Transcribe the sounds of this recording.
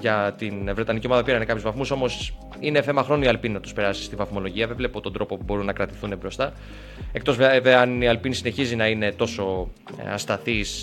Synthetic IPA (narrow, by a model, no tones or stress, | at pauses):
ʝɐt̪invɾe̞t̪ɐnicio̞mɐðɐpiɾɐnekɐpçuzvɐθmuso̞mo̞s | ine̞θe̞mɐxɾo̞nuiɐlpininɐt̪u̥spe̞ɾɐsi̥st̪ivɐθmo̞lo̞ʝiɐvevlepot̪ond̪ɾo̞po̞pubo̞ɾunːɐkɾɐt̪i̥θunebɾo̞st̪ɐ | ek̚t̪o̞zveveɐniɐlpinisine̞çizinɐine̞t̪o̞so̞ | ɐ̰st̪ɐθis